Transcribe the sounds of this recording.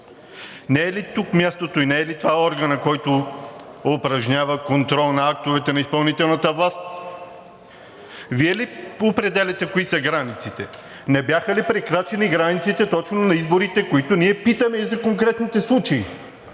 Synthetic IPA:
nɛɛlit̪ukmʲjast̪ot̪oinɛɛlit̪ovaɔɾɡənɐkɔjt̪o | opɾɐʒɲʲavɐkont̪ɾɔlˠnɐak̚t̪ovɛt̪ɛnɐispɐlˠnit̪ɛlˠnɐt̪əvlˠast̪ | viɛliopɾɛd̪ɛlʲɛt̪ɛkoisɐɡɾanit̪sit̪ɛ | nɛbjaxəlipɾɛkɾat͡ʃɛniɡɾanit̪sit̪ɛt̪ɔt͡ʃnonɐizboɾit̪ɛkoit̪oniɛpit̪əmɛizɐkoŋkɾɛt̪nit̪ɛslˠut͡ʃɐi

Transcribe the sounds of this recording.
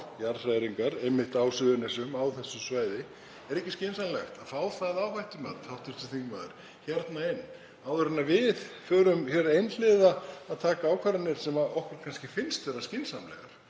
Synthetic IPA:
jaɾ̥saːjɾiŋkaɾɛmːɪht̪aːwsʏðʏnɛsʏmawθɛsːʏmsvaːjðɪ | ɛɾɛhcɪscɪnsamlɛxt̪aðfaːwθaðawvajht̪ʏma̰t̪hawht̪ɪɾ̥t̪ɪθiŋkmaðʏ̰ɾ̥ | çɛɾt̪naɪnː | awʏɾʏnavɪðfœːɾʏmçɛɾejnlɪðaːðt̪ʰaːkaawkʰvaɾat̪nɪɾ̥sɛmaɔhkʏɾ̥kʰanscɪfɪnst̪vɛːɾascɪnsamlɛ̰ɣa̰ɾ̥

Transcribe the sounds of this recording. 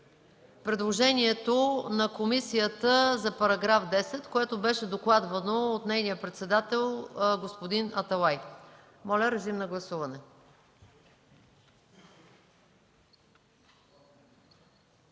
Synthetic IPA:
pɾɛd̪lˠoʒɛnʲiɛt̪onɐkomisijət̪əzɐpɐɾɐɡɾafd̪ɛsɛt̪koɛt̪obɛʃɛd̪oklˠad̪vɐnoːt̪nɛjnijəpɾɛt̪sɛd̪at̪ɛlˠɡospod̪inɐt̪ɐlˠaj | mɔlʲəɾɐzimnɐɡlˠɐsuvɐnɛ

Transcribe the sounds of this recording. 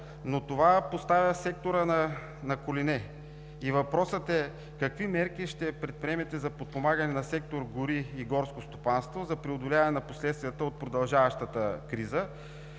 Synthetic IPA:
not̪ovapost̪avʲjəsɛk̚t̪oɾənɐ | nɐkolinɛ | ivɐpɾɔsət̪ɛ | kɐkvimɛɾk̟iʃt̪ɛpɾɛt̪̚pɾiɛmɛt̪ɛzɐpot̪̚pomaɡənɛnɐsɛk̚t̪oɾɡʊɾiːɡɔɾskost̪opanst̪vozɐpɾiod̪olʲavɐnɛnɐposlɛt̪st̪vijət̪əot̪̚pɾod̪ɐlˠʒavɐʃt̪ət̪əkɾizə

